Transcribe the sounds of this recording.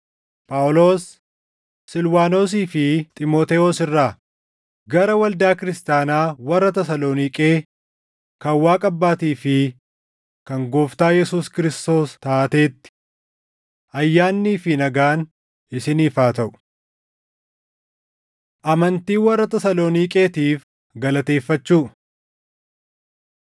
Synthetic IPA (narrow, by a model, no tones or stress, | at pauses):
pʼaːʊlo̞ːsː | ɪlwaːno̞ːs̬iːfɪt̪ʼɪmoːt̪ɛoːsɪrːaː | ɡɐɾɐwɐld̪aːkɪɾɪst̪aːnaːwɐrːɐt̪ɛsɐloːnikʼeː | kɐwaːkʼɐbːaːt̪iːfɪ | kɐŋɡoːft̪aːjɛsuːskɪɾɪst̪o̞ːst̪aːʔɐt̪e̞ːt̪ːɪ̥ | ʔɐjːaːnːiːfɪnɐɡaːn | ʔɪsɪniːfaːt̪ɐʔʊ̥ | ʔɐmɐnt̪iːwɐrːɐt̪ɐsɐlo̞ːniːkʼe̞ːt̪iːf | ɡɐlɐt̪e̞ːfːɐt͡ʃːuː